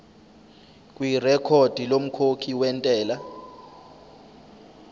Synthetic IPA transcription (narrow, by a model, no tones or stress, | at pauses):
kʼwirɛkʰod̥ʱilom̩kʰokʰiwɛntʼɛːla